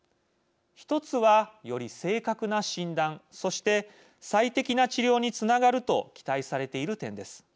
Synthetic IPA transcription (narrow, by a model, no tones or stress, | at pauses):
çi̥t̪o̞t͡sɨβajo̞ɾʲise̞ːkakɯ̟naɕĩnd̪ãso̞ɕi̥t̪e̞ | sait̪e̞kʲinat͡ɕiɾʲo̞ːɲ̟it͡sɨnaɡaɾɯ̟t̪o̞̰kʲi̥t̪aisaɾe̞t̪e̞iɾɯ̟t̪ẽ̞nd̪e̞sɨ̥